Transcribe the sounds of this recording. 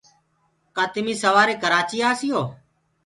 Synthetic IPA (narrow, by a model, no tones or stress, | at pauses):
kaːt̪ɪmiːsəʋaːɾeːkəɾaːt͡ʃiːaːsɪjoː